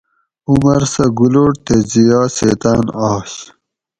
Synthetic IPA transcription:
umɐɾsɐɡuloʈt̪ezijaːsḛːt̪aːnaːɕ

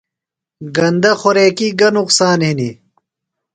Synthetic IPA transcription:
ɡɐnd̪ɐxoɾeːkiɡɐnuqsaːnɦini

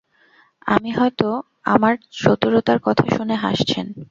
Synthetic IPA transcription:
a̰miɦɔet̪o | a̰maɾʃot̪uɾot̪aɾkɔt̪ʰaʃuneɦa̰ʃt͡ɕʰen

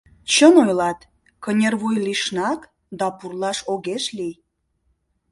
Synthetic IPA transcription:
t͡ɕənojlɑt̪ | kənʲerβujliʃnɑk | d̪ɑpurlɑʃoɣeʃlij

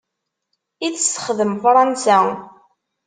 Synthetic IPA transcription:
iθsːə̥χðəmfɾˤɑnsæ

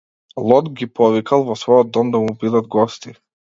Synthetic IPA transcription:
lˠɔd̪ɡʲipɔvikalˠvɔsvɔjɔd̪ːɔmd̪amubid̪ad̪ɡɔst̪i

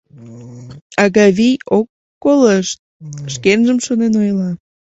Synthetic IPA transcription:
ɑɣɑβijokː | oləʃt̪̚ʃkenʒəmʃonenojlɑ

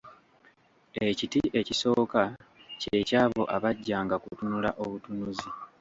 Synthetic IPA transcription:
e̞citiʔe̞ciso̞ːkace̞caːβo̞̰ʔaβaɟːaːŋɡakutunulaʔo̞βutunuzi

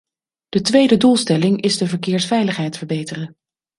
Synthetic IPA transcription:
d̥ətʋejdədulˠstɛlɪŋɪzdəvəɹkɪːɹsfɛjləχɦɛjtfəɹbejtərən

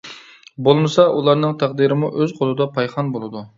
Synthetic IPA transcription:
bolˠmɨsɑʔulˠɑɾnɨŋt̪ʰæqd̪iɾɪmuʔøzqʰolˠɨd̪ɑpʰɑjχɑnbolˠɨd̪u

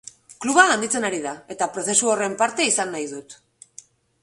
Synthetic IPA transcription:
kluβaɣand̪it͡se̞naɾiðae̞t̪apɾo̞θe̞suo̞re̞mpaɾt̪e̞isanːajðut̪

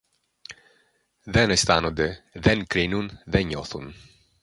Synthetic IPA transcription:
ðɛnɛst̪anod̪ɛðɛnkɾinunðɛɲɔθṵn

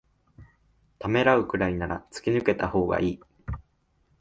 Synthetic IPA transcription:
t̪ame̞ɾaɯ̟kɯ̟ɾainaɾat͡sɨ̥kʲinɯ̟ke̞t̪aho̞ːɡa̰ʔiː

